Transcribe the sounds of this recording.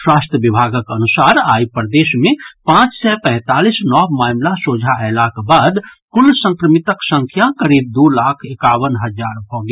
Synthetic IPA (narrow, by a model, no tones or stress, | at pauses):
swaːsʈ̪ɾəʋibʱaːɡəkənusaːɾaːipɾd̪eːsmẽpãt͡ʃsɛpɛ̃ɦɪt̪aːlisnɔːbmaːmlasod͡ʒʱaɛlakbaːd̪kulsə̃ŋkɾəmit̪əksə̃ŋkʰjakəɾiːb̚d̪ulaːkʰekaːwənɦəd͡ʒaːɾbʱɔɡe